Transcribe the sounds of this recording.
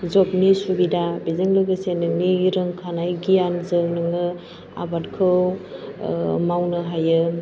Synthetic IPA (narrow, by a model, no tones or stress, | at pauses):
zɔp̚nisubidabezɯŋlɯɡɯsenɯŋniɾɯŋkʰanajɡijanzɯnɯŋɯ | a̰bat̚kʰɯw | mawnɯɦajɯ